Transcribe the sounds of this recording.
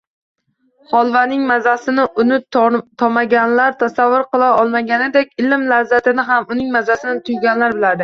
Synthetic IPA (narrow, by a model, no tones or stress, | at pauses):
hɒlˠvanɪŋmazasɪnɪʊnɪt̪ʰɒmaɡʲanlaɾt̪ʰasavːʊɾqɨlˠaɒlˠmaɡʲanɪd̪e̞kʲɪlɪmlazːat̪ɪnɪɦamʊnɪŋmazasɪnɪt̪ʰʊjɡʲanlaɾbɪlaɾd̪ɪ